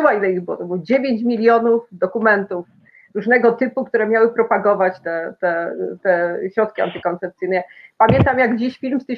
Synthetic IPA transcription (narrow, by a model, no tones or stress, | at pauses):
wailɛiɣbɘwɔt̪ɔbɘwɔd͡ʑevʲjeɲt͡ɕmʲilʲjɔnufd̪ɔkumɛnt̪uf | ɾuʐnɛɡɔt̪ɘpukt̪uɾɛmʲjawɘpɾɔpaɡɔvat͡ɕt̪ɛt̪ɛt̪ɛɕɾɔt̪̚kʲia̰nt̪ɘkɔnt̪sɛp̚t̪sɘjnɛpamʲjɛnt̪amjaɡd͡ʑeɕfʲilmst̪ɘ